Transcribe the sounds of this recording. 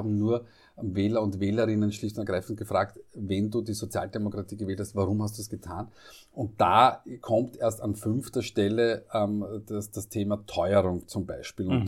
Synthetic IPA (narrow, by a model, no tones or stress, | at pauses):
abm̩nuːɐ | veːlɐʊntveːləʁɪnənʃlɪçtnɐɡʁaɪfn̩t̚ɡ̥əfʁaːktvɛnduːdiːzot͡sja̰ːldemokʁatʰiːɡəvɛːlthastvaʁʊmhast̚d̥uːsɡ̥ətʰaːn | ʊnt̚d̥aːkʰɔmtʔeːɐstanfʏnftɐʃtɛləʔɛmdasd̥astʰeːmatʰɔʏəʁʊŋt͡sʊmba̰ɪʃpiːlʊn